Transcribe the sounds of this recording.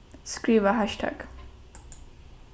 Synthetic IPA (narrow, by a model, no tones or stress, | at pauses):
skɾiʋaɦaʃʈʰa̰k